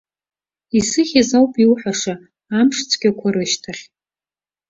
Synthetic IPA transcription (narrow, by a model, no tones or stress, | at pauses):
isɨχʲazawpʼiwħaʂa | amʂt͡sʷʰɡʲakʷʰaɾɨʃtʰaχʲ